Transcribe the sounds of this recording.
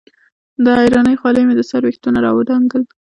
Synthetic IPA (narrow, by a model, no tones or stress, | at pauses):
d̪əajɾɑnəjxwɑləjmed̪əsaɾwext̪unaɾɑ̰wəɖ̪ɑŋɡəl